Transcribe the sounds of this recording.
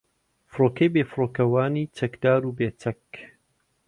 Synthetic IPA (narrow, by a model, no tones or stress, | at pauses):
fɨɾoːkɐjbeːfɨɾoːkɐwaːniːt͡ʃʰɐkd̪aːɾubeːt͡sɐk